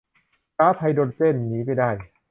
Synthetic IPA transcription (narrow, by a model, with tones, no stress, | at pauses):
kaː˦˥t̪ʰa˧jdoː˧nt͡ɕe˥˩nːiː˦˥ma˥˩daː˥˩j